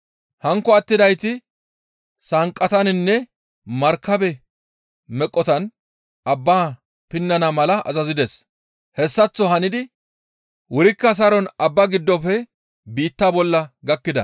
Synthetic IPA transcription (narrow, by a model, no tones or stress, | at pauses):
hɐŋkːɔɐt̪ːɪd̪ɐjt̪ɪ | sɐŋkʼːɐt̪ɐnɪnːɛ | mɐɾkːɐbɛ | mɛkʼːɔt̪ɐn | ʔɐbːaː | pɪnːɐnɐmɐlɐʔɐ̰zɐzɪd̪ɛs | hɛsːɐt͡sːɔɦɐnɪd̪ɪ | wʊɾɪkːɐs̬ɐɾɔnɐbːɐɡɪd̪ːɔfɛ | biːt̪ːaːbɔlːɐɡɐkːɪd̪ɐ̰